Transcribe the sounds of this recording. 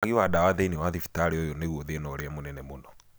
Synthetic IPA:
ɣiwadawaðeiniwaðifi̥taɾeojoneɣwoðenɔɾeamonɛnɛmonɔ

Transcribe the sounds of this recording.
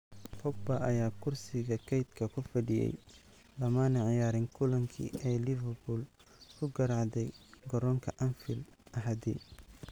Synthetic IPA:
fɔɡ̚bɐʔɐjaːkʰʊrsɪɣɐkʰɛjd̪kʰɐkʰʊfɐɖɪjɛ̰j | lɐmanɐʕɪjaːɾɪŋkʰʊlɐŋkʰḭʔɛjlɪvɛrbuːl | kʰʊɡɐɾɑʕd̪ɛjɡɔɾɔŋkʰɐʔɐnfɪlʔɐɦɐd̪ɛ̰

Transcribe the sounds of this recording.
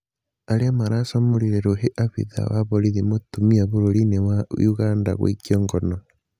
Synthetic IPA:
aɾeamaɾasamoɾiɾeɾoɦeʔaβḭða̰wa̰βoɾiðimotumiaβoɾoɾinewaḭuɣaːnda̰ɣo̰ikiɔːŋɡɔnɔ

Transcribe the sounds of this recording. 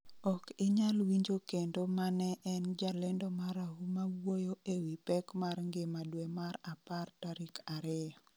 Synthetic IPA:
ɔkɪɲalwiɲd͡ʒokendomanɛʔɛnd͡ʒalendomaɾaɦumaɡwojoʔewipɛkmarŋɡɪmadwemaɾapartaɾikaɾɪ

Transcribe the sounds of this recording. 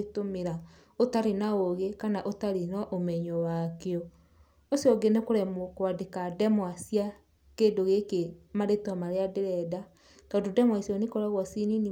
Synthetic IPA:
tomeɾa | otaɾenaoɣekanaʔotaɾenɔʔomɛɲɔwakeɔ | osjɔɡenekoɾɛmokwadekadɛmwasia | keːdoɣekemaɾetamaɾeadeɾɛda | kadodɛmwasiɔnekoɾaɣwɔsinini

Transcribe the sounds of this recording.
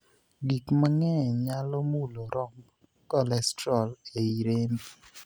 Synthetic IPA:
ɡikmaŋɛɲalɔmuloɾʔɔmb | kɔlɛstɾɔleiɾem

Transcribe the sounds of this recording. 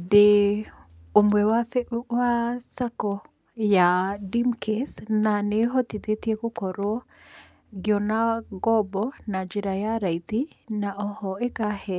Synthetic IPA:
de | omwɛwawasakɔ | jadimkʰesnaneɦɔt̪it̪et̪iekokɔɾɔ | ɡjɔnaɡɔbɔnad͡ʒiɾajaɾait̪inaʔɔhɔekahɛ

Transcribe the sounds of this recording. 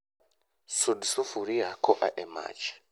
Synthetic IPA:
sudisufuɾiɦakoʔa̰ʔema̰ːt͡ʃḁ

